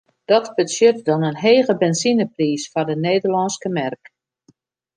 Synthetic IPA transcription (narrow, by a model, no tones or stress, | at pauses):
d̥ɔtbəsjøtdɔnənɦeːɣəbɛnsinəpriːsfɔdəneːdərlɔnskəmɛrk